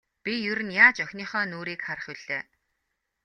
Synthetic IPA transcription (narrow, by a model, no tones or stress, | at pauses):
pijɵɾɘ̆njaːt͡ɕœxʲniːχœːnoːɾiːkχarə̆χʊɮ̥eː